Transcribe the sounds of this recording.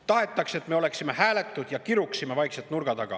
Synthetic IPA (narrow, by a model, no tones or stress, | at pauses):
t̪ɑɦe̞t̪ːˑɑkse̞t̪ːme̞o̞le̞ksime̞hæːle̞t̪ːˑud̪̥jɑkiɾuksime̞vɑjkset̪ːˑnurɡ̥ɑt̪ɑɡ̥ɑ̰